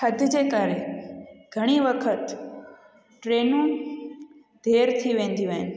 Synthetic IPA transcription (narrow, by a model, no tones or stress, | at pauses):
həd̪ʱd͡ʒekaɾe | ɡ̥ʱəɽ̃iʋəkʰət̪ | ʈɾenũ | d̪ʱeɾt̪ʰiʋẽnd̪jũʋen